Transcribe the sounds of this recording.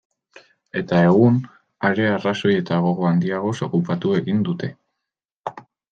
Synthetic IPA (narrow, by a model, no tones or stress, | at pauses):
e̞t̪ae̞ɣun | aɾe̞araso̞je̞t̪aɣ̞o̞ɣo̞and̪iaɣ̞o̞so̞kupat̪ue̞ɣind̪ut̪e̞